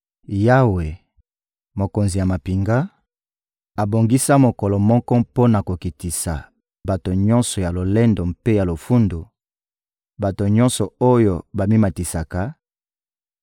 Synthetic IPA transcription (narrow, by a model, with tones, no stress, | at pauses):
ja˦we˨ | mo˨ko˨nzi˨ja˨ma˨pi˨ŋɡa˦ | a˨bo˨ŋɡi˦sa˦mo˨kɔ˨lɔ˨mɔ˦kɔ˦po˦na˨ko˨ki˨ti˨sa˨ | ba˨to˨ɲɔ̃˦nsɔ˨ja˨lo˨le˦ndo˨mpe˦ja˨lo˨fu˦ndo˨ | ba˨to˨ɲɔ̃˦nsɔ˨o˦jo˦ba˨mi˦ma˨ti˨sa˨ka˨˦